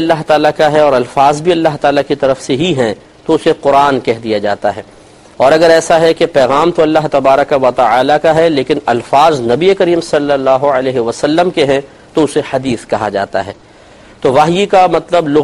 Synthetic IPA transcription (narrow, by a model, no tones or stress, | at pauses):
ɐlːaɦt̪aːlakaɦɛɔːɾɐlfaːzbʱiɐlːaɦt̪aːlakit̪ɐɾəfseɦiɦɛ̃ | t̪oʊseqʊɾaːnkɛɦd̪ijad͡ʒa̰ːt̪aɦɛː | ɔːɾɐɡəɾɛːsaɦɛkepɛːɣaːmt̪oɐlːaɦt̪ɐbaːɾəkaʋɐt̪ɐaːlakaɦɛleːkɪnɐlfaːznɐbiekɐɾiːmsɐlːəlːaːɦoɐlɛːɦeʋɐsɐlːəmkeɦɛ̃ | t̪oʊsehɐd̪iːskɐɦa̰d͡ʒa̰ːt̪a̰ɦɛː | t̪oʋaːɦjikamɐt̪ləblʊ